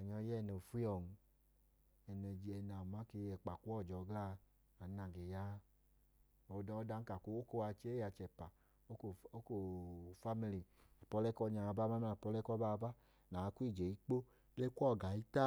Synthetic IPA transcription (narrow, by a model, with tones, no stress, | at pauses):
a˨ɲɔ˧jɛ˦˨nɛ˨fu˦ɔ˨ŋ̩˧ | ɛ˨˧nɛ˧˨d͡ʒi˧ɛ˧na˨ma˨˦ke˧˦ɛ˨k͡pa˨ku˦ɔ˦˨d͡ʒɔ˨˧ɡla˦˧ | a˨na˨ɡe˨ja˦ | ɔ˨˧da˧ɔ˦da˧˦ŋ̩˦ka˨ko˧˦o˦ko˧˦a˧t͡ʃe˦ja˧t͡ʃɛ˨pa˨ | o˦ko˨o˦ko˨fa˦mi˧li˨a˨pɔ˧lɛ˦kɔ˦˧˦ɲa˧˨˧ba˦ma˦m˦a˨pɔ˧lɛ˦kɔ˦ba˦˧ba˦ | na˨˧ku˦i˦˨d͡ʒe˨i˦k͡po˦ | le˦ku˦ɔ˦˨ɡa˨i˦ta˦